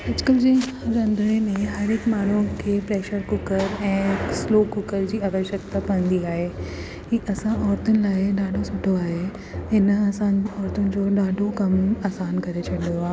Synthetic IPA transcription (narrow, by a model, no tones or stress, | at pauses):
ɐd͡ʑkəld͡ʑẽɾɐ̃nd̪ʱəɽ̃emẽɦɐɾɪkmaːɳ̤ukʰeːpɾeːʃəɾkʊkəɾɛ̃ːsloːkʊkəɾd͡ʑiːaːʋəʃəkt̪apɐə̃nd̪iaːɦe | kiːʔɐsãʔɔːɾt̪ʊnɪ̆laːɪɗaːɖʱosʊʈʰoaːɦe | ɪnaːsãːnɔːɾt̪ʊnɪ̆d͡ʑoːɗaːɖʱokɐmaːsaːnkɐɾet͡ɕʰɐɗjoaː